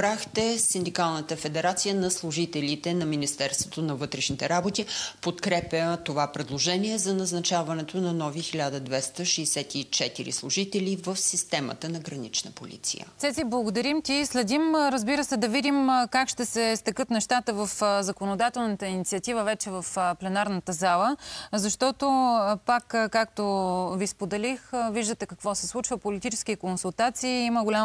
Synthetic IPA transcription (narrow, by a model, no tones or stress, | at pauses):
bɾaxt̪ɛsind̪ikalˠnət̪əfɛd̪ɛɾat̪sijənɐslˠʊʒit̪ɛlʲit̪ɛnɐminist̪ɛɾst̪vot̪onɐvɤt̪ɾɛʃnit̪ɛɾabot̪ipot̪kɾɛpʲjət̪ovapɾɛd̪lˠoʒɛniɛzɐnɐznɐt͡ʃavɐnɛt̪onɐnɔvixilʲad̪əd̪vɛst̪əʃɛːsɛt̪it͡ʃɛt̪iɾḭslˠʊʒit̪ɛlivəfsist̪ɛmə̰t̪ənɐɡɾɐnit͡ʃnəpo̰lʲḭt̪sḭjə̰sɛziblˠɐɡod̪ɐɾimt̪ʲislɛd̪imɾəzbiɾəsɛd̪ɐvid̪imkakʃt̪ɛsɛst̪ɛkɤt̪nɛʃt̪at̪əvəfzɐkonod̪at̪ɛlˠnət̪əinit̪siət̪ivəvɛt͡ʃɛvəfplɛnaɾnət̪əzalˠəzɐʃt̪ɔt̪opakːkːak̚t̪ovispod̪ɛlixəviʒd̪ət̪ɛkɐkvɔsɛslˠut͡ʃvəpolit̪it͡ʃɛsk̟ikonsulˠt̪at̪siːiməɡolʲa